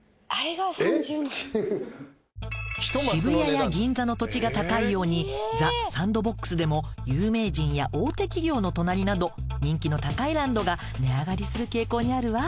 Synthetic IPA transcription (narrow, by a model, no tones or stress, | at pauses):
aɾeɡas | ɕibɯ̟jajaɡʲĩnd͡zano̞t̪o̞t͡ɕiɡat̪akaijo̞ːɲ̟id͡zasãnd̪o̞bo̞kːɯ̟̥sɨd̪e̞mo̞jɯːme̞ːʑĩɰ̃jaʔo̞ːt̪e̞kʲiɡʲo̞ːno̞t̪o̞naɾʲinad̪o̞ | ɲ̟ĩŋkʲino̞t̪akaiɾãnd̪o̞ɡa | ne̞aɡaɾʲisɨɾɯ̟ke̞ːko̞ːɲ̟iaɾɯ̟βa